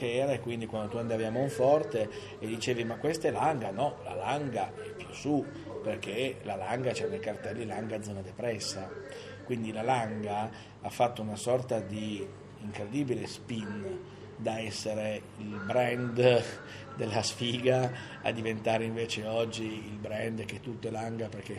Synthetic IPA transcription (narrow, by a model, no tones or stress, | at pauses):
keɛːɾaekwind̪ikwand̪ot̪uand̪avjaːmouɱfɔrt̪e | ed̪it͡ʃeːvimakwest̪elaŋɡanɔla̰laŋɡaɛpːjusu | perk̟elalaŋɡat͡ʃɛnekart̪ɛlːiilaŋɡad̪zːɔːnad̪epɾɛsːa | kwind̪ilalaŋɡa | afːat̪ːounasɔrt̪ad̪i | iŋkɾed̪iːbilespin | d̪aɛsːeɾe | ilbɾɛnd̪ | d̪elːasfiːɡa | a̰d̪ːivent̪aːɾeiɱveːt͡ʃeɔd͡ʒːiːlbɾɛnd̪k̟et̪ːut̪ːoɛlaŋɡaperk̟e